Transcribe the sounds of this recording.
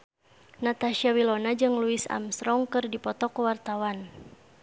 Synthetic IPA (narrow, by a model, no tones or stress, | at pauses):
nat̪aʃiawilɔnad͡ʒɨŋluisa̰msɾɔŋkɨrdipɔt̪ɔkuwart̪awan